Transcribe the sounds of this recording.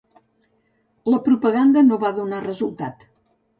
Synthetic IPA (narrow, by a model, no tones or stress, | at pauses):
ləpɾupəɣand̪ənoβaðunarəzulˠt̪at̪